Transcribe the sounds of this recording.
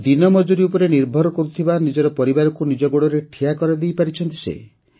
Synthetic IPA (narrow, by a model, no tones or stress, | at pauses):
d̪inɔmɔd͡ʒuɾiupɔɾeniɾbʱɔɾɔkɔɾut̪ʰibanid͡ʒɔɾɔpɔɾibaɾɔkunid͡ʒɔɡoɽɔɾeʈʰijakɔɾad̪ejpaɾit͡ʃʰɔnt̪isḛ